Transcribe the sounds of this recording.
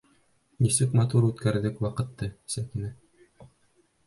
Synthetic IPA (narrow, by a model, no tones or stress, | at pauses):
nisɘkmɑt̪uɾʉt̪kæɾðɘkwɑqɤ̆t̪ːɤsækɘ̆nɘ